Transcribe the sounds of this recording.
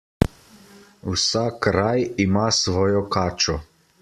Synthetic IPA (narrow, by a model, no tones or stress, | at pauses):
wsakɾajimasʋɔːjɔkaːt͡ʃɔ